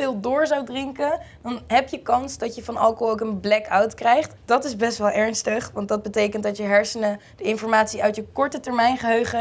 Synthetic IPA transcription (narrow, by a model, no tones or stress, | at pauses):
ɪːlˠdʊːɹzawdrɪŋkədɑnɦɛpjəkɑnsdɑtjəfɑnɑ̰lˠkoɦlˠowkənblɛkawtkrɛjχtd̥ɑtɪzbɛstʋɛlˠʔɛɹnstəχʋɑntdɑd̚bətejkəntdɑtjəɦɛɹsənə | dəɪnfɔɹmaːtsiœɥtjəkɔɹtətɛɹmɛjnχəɦøɥχə